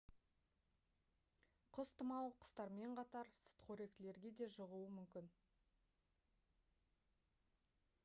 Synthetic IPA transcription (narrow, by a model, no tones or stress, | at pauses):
qʰʊst̪əmɑlˠqʰə̥st̪ɑɾme̞ɴqʰɑt̪ɑɾsə̥t̪qʰɵɾe̞k̚t̪ɪle̞ɾɡʲe̞d̪e̞ʒəʁuəmʏmkʲɪn